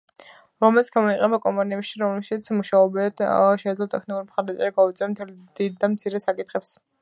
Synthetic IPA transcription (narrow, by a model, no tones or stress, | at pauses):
ɾɔmɛlit̪sɡ̥amɔiq̪ʼɛbakʼɔmpʼaniɛpʃiɾɔmlɛʃit̪sʰmuʃaɔbɛʃɛd̪lɔt̪ʼɛkʰnikʼuɾimχaɾd̪at͡ʃʼɛɾiɡaut̪sʼiɛmt̪ʰɛlid̪̥id̪̚ːamt̪sʰiɾɛsakʼit̪χɛps